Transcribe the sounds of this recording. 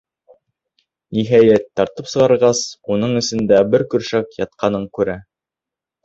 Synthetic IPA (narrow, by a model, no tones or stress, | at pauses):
niɦæjæt̪ːɑɾt̪ɤpsɤ̆ʁɑɾʁɑsunɤɴɵ̆sɘ̆nd̪æbɘɾkɵ̆ɾʃækjɑt̪̚qɑnɤɴkʉɾæ